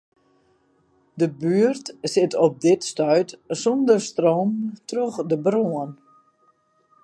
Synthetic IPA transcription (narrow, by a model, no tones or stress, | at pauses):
dəbyərtsɪtʰɔp̚dɪtstœɥtsɔndərstroːmtroxdəbroən